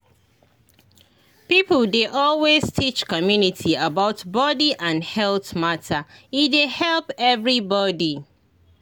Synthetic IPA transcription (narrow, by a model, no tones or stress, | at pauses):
pipl̩ˠdeʔɔlweztʰit͡ʃkɔmjunitʰiabaʊtbɔdiʔãnhɛlˠθmatʰaidehɛlpɛvɹibɔdi